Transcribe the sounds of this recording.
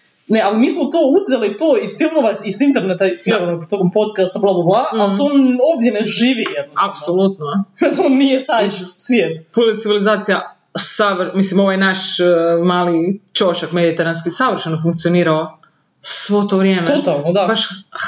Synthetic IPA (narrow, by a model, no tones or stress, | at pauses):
nealimiːsmot̪oːuzzelit̪oːisfilˠmoʋaisint̪eɾnet̪afimoʋpot̪okompo̞t̪kast̪ablˠaboblˠaalonoːʋd̪jeneʒiːʋijɛd̪nosapsolut̪noet̪oonijet̪ajsʋʲjeːt̪pulet̪iʋilizaːt̪sija | saʋɾmislimoʋajnaʃmaːlit͡ʃoʃakmed̪it̪eɾanskisaʋɾ̩ʃenofuŋk̚t̪sijoniːɾao | sʋot̪oʋɾjeːmet̪ot̪alˠnod̪abaʃ